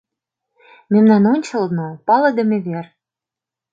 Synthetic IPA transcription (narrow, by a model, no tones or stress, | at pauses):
memnɑnonʲt͡ɕɤ̆lnopɑlɤ̆d̪ə̆meβer